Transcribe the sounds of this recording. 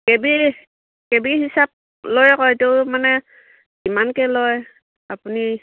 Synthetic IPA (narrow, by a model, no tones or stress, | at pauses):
kɛbi | kɛbiɦisap̚ | lɔjkɔtumanɛ | imankɛlɔj | apuni